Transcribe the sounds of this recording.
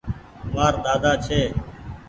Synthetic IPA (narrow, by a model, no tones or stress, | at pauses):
maːɾɗ̪aːd̪aːt͡ʃʰeː